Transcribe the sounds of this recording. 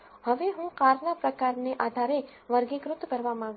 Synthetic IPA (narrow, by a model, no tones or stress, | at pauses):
ɦəʋeɦũqaːɾnapɾɐkaːɾneʔaːd̪ʱaːɾe | ʋɐɾɡikɾʊt̪ːkəɾʋamãː